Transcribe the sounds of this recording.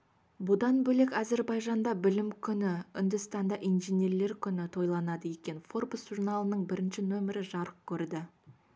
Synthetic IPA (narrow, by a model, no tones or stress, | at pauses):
bʊd̪ɑnbɵle̞kɑze̞ɾbɑjʒɑnd̪ɑbɪlɪmkʲʰʏnɪʏnd̪ɪst̪ɑnd̪ɑʔijnʒeneɾle̞ɾkʲʰʏnɪt̪ʰo̞jlˠɑnɑd̪əje̞kʲe̞nfo̞rbʊsʒuɾnɑlˠənəɴbɪɾɪnʃɪnɵmɪɾɪʒɑɾəq̚kʲʰɵɾd̪ɪ